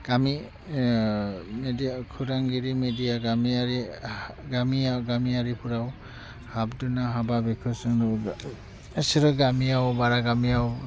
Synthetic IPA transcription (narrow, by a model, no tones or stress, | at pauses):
ɡ̥ami | mediakʰuɾaŋɡiɾimedijaɡamiaɾi | ɡamiawɡamiaɾipʰuɾaw | hab̚dunaɦababekʰɯsɯŋdɔ | asiɾɔɡamiawbaɾaɡamiaw